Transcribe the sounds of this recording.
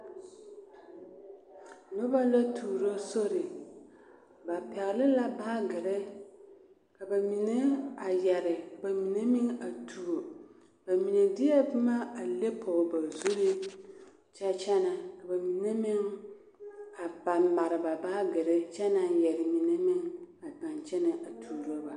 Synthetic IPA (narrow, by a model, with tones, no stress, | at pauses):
nʊ˦ba˦la˦tʰuː˨ɾo˦so˦ɾɪ˨ | ba˨pɛ˨ɣɪ˨lɪ˦la˦baː˦ɡɪ˨ɾɪ˦ | ka˨ba˨mi˨ne˦a˨jɛ˨ɾɪ˨ba˨mi˨ne˦mɪ˦ŋa˨tʰu˨o˨ | ba˨mi˨ne˨dɪ˦jɛ˦bma˦a˨le˦pʰɔ˨ba˨zu˦ɾe˦ | t͡ʃɛ˦t͡ʃɛ˦na˨ka˨ba˨mi˨ne˦mɪ˦ŋ | a˨ba˨mba˨ɾɪ˨ba˨baː˦ɡɪ˨ɾɛ˦t͡ʃɛ˦na˨jɛ˨ɾɪ˨mi˨ne˦mɪ˦ŋa˨da˨nt͡ʃɛ˦nɪ˨ʔa˨tʰuː˨ɾo˦ba˨